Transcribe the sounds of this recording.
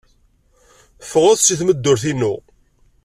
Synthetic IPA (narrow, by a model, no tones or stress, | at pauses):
fʁʊθsiθməd̪ːʊɾθinːʊ